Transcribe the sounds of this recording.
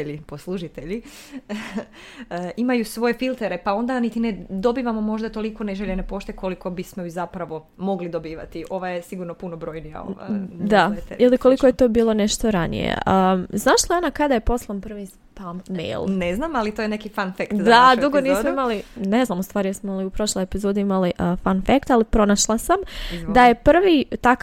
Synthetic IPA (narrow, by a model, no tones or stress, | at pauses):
ʎiposlˠuʒit̪eʎi | imajusʋo̞je̞filˠt̪eɾepao̞nd̪anit̪ined̪o̞biːʋamo̞mo̞ʒd̪at̪o̞liko̞neʒeʎenepo̞ʃt̪ekoliko̞bismoizapɾaʋo̞ | mo̞ɡlid̪o̞biːʋa̰t̪iʔo̞ʋajesiɡuɾnopunobɾo̞ːjnija̰o̰ʋa̰d̪ait̪ḛiliko̞likojet̪obiːlo̞ne̞ʃt̪oɾanḭjḛʔəznaːʃlˠaonakad̪aje̞po̞slˠampr̩ʋi | pamːḛjlˠneznamalit̪oːjenekifanfekt̪zd̪ad̪uɡoniːssmoimaline̞znaːmust̪ʋaːɾijesmoliupɾo̞ʃlˠojepizoːd̪iimaliʔəfanfekt̪alipɾo̞naʃlˠasamd̪aje̞pr̩ʋit̪ak